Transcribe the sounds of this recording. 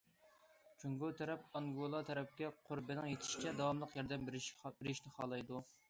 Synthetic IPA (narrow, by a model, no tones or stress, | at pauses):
t͡ʃʰuŋɡot̪ʰɛɾɛpɑŋɡolˠɑt̪ʰɛɾɛp̚kʲɛqʰoɾbɪnɪŋjet̪ʰɪ̥ʃi̥t͡ʃʰɛd̪ɑwɑmlˠəqjɑɾd̪ɛmbɾbɪɾɪʃnɪχɑːlˠɑjd̪u